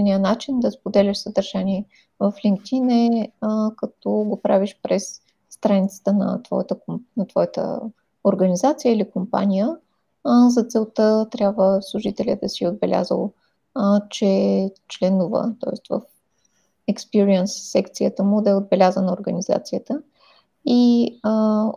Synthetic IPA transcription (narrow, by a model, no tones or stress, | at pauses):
nijənat͡ʃind̪ɐspod̪ɛlʲəʃsəd̪əɾʒ̥anʲiɛ | vɐfliŋk̚t̪inɛ | kɐt̪ɔɡopɾaviʃpɾɛsː | t̪ɾanit̪sə̥t̪ənɐ̰t̪vɔ̰jət̪əknɐt̪vɔjət̪ə̰ | oɾɡənizat̪sijəilikompa̰nʲijə | zɐt̪sɛlˠt̪ət̪ɾʲabvəslˠuʒit̪ɛlʲə̰d̪ɐsiod̪̚bɛlʲʔa̰zə̰lˠ | t͡ʃɛt͡ʃlɛnʊvə̰t̪ɔ̰ɛst̪və̰f | ɛkspiɾiɛnsːɛkt̪sijət̪əmud̪ɐɛod̪̚bɛlʲazənəoɾɡəniza̰t̪sijət̪ə | i